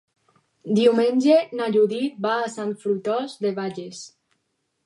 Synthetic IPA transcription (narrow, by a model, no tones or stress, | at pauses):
d̪iumenʲd͡ʒenaʎuðit̪̚baːsant̪fɾut̪ɔzðeβaʎes